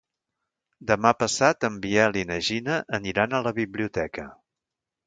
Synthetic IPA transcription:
d̪əmapəsat̪əmbiɛlinəʒinəʔəniɾanələβiβliut̪ɛkə

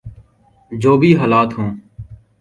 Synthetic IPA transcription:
d͡ʒoːbʱiːɦaːlaːt̪ɦõː

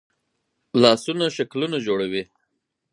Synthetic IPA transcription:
lɑsunaʃaklunad͡ʒoɽawi

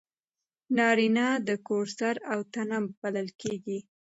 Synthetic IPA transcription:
nɑɾinɑd̪əkoɾsaɾawt̪anamb̥aləlkeɡi

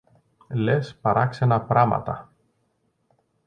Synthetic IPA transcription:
lespɐɾɐksenɐpɾɐmɐ̰t̪ɐ

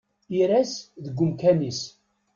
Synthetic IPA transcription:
iɾæsðəɡʷːʊmkænis

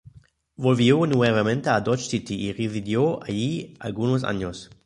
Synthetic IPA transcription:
volvjionuevamẽnt̪ead̪ɔt͡ʃsit̪iirezid̪joaʎia̰lɡunos̬a̰ɲos

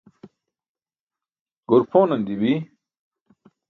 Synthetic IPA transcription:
ɡ̥oɾpʰoːnɐnd̪iwi

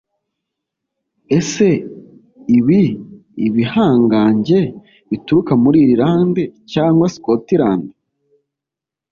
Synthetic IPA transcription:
e̞se̞ | iβi | iβihaːŋɡaːɲɟe̞ | βituɾukamuɾiːɾiɾaːndecaːŋɡwasi̥kotiɾaːnde̥

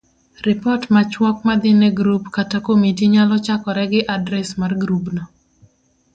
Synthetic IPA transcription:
rɪpɔtmat͡ʃwɔk̚mad̪ɪnɛɡɾupkatakomitiɲalɔt͡ʃakɔɾɛɡɪʔadɾɛsmarɡɾupnɔ

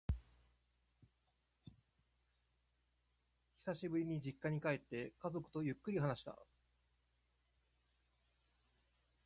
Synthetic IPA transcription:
çi̥saɕibɯ̟ɾʲiɲ̟id͡ʑikːaɲ̟ikae̞t̪ːe̞kazo̞kɯ̟̥t̪o̞jɯ̟kːɯ̟ɾʲiɦanaɕi̥t̪a̰

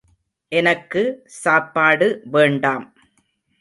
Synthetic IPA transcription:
ʔɛnɐkːɯsaːpːaːɽɯʋeːɳɖaːm

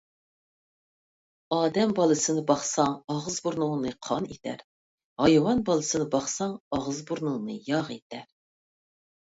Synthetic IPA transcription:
ɑːd̪ɛmbɑlˠɨsɨnɨbɑχsɑŋɑʁɨzbuɾnʊŋnɨqʰɑnet̪ʰæ̰ɾ | hɑjwɑnbɑlˠɨsɨnɨbɑχsɑŋɑʁəzbuɾnɨŋnɨjɑʁet̪ʰɛɾ

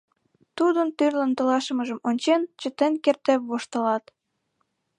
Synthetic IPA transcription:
t̪ud̪ənt̪yrlənt̪ə̆lɑʃə̆məʒə̆monʲt͡ɕent͡ɕə̆t̪enkert̪epβoʃt̪ə̆lɑt̪

